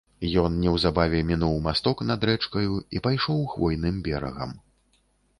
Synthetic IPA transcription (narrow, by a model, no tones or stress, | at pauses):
jɔnnʲɛwzabavʲɛmʲinuwmast̪ɔknɐd̪ɾɛt͡ʂkɐjuipajʂɔwxvɔjnɨmbʲɛɾɐ̰ɣɐ̰m